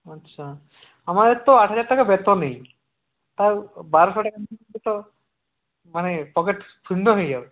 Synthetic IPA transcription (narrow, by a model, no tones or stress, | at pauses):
ətːʃʰa | amad̪eɾt̪ɔaʈʰɦəd͡ʑaɾʈakabet̪ɔnej | t̪aɾbaɾɔsʰɔʈakandit̪ɔ | manepɔkeʈ | pʰiɳɖɔɦɔjd͡ʒaw